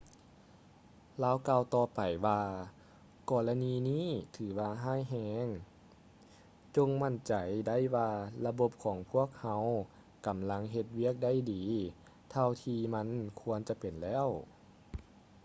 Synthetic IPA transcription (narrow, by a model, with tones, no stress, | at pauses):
laː˧˥˨wkaː˧wt̪ɔː˧pa˨˩jwaː˧ | kɔː˧˩la˧niː˧niː˥˨t̪ʰɯː˩˦waː˧ɦaː˥˨jɦɛː˧ŋ | t͡ɕo˧ŋma˧˥˩nt͡ɕa˨˩jda˥˩˨jwaː˧la˧bo˧˦p̚kʰɔː˨˩˦ŋpʰu˥˩˨ək̚ha˧˥w | ka˨˩˦mla˧˥ŋɦe˧t̪̚wi˥˩ək̚da˧˥˨jdiː˨˦ | t̪ʰa˧wt̪ʰiː˧ma˧˥˨nkʰu˧ənt͡ɕa˧˦pe˨˩nlɛː˥˩˨w